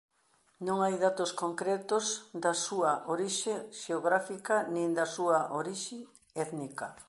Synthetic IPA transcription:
nõŋajðat̪oskoŋkɾɛt̪ʊzd̪ɐsuɐʔoɾiʃeʃeoɣɾafikɐnĩnd̪ɐsuɐʔoɾiʃɪ | ɛt̪nikɐ

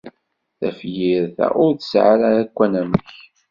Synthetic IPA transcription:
θæ̰fjiɾθæ̰ʊɾθəsʕaɾaːkʷːænæməç

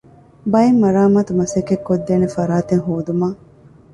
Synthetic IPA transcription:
bɐemːɐɾaːmaːt̪umɐsekːekːod̪ːeːnefɐɾaːt̪eŋɦoːd̪umaː

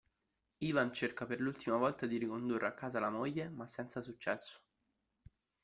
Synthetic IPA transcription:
iːvant͡ʃerkaperlult̪imavɔlt̪ad̪iɾikond̪urːeakːaːzalamojːemasːɛnt̪sasut͡ʃːɛsːo̥

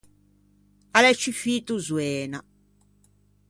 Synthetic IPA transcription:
alɛt͡ʃːifiːt̪uzwɛːna

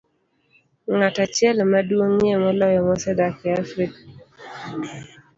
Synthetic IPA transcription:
ŋatat͡ʃjɛlmadwoŋemɔlɔjɔmɔsɛdakɪafɾik̚

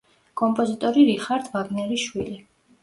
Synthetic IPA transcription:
kʼɔmpʼɔzit̪ʼɔɾiɾiχaɾd̪vaɡnɛɾiʃwili

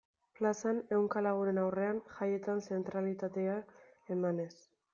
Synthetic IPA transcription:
plasane̞wŋkalaɣ̞uɾe̞nawre̞anʝaje̞t̪anse̞nt̪ɾalit̪at̪e̞a | e̞mane̞s

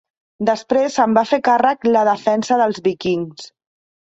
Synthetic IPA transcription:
d̪əspɾezəmbafekarəkləðəfɛnsəðəlˠzβikiŋs

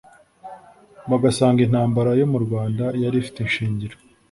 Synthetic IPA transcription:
βaɡasaːŋɡin̥haːmbaɾajo̞muɾɡwaːndajaɾifi̥tenʃiːɲɟiɾo

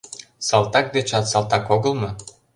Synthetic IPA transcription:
sɑlt̪ɑk̚d̪et͡ɕɑt̪sɑlˠt̪ɑkoɣəlmɤ

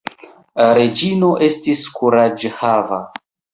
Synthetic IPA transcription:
ɾe̞d͡ʒino̞ʔe̞stiskuɾad͡ʒhava

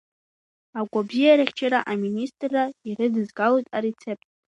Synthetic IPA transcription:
aɡʷabzijaɾaχʲt͡ʃʰaɾaʔaministʼrːairɨdɨzɡalojtʼaɾet͡sʰe̞p̚ʰʼtʼ

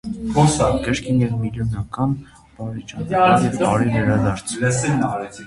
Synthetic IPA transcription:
kɔskəɾkʰinɛvmiljɔnɑkɑn | b̥ɑɾɛt͡ʃɑnjɛvɑɾivɛɾɑd̪ɑɾt͡sʰs

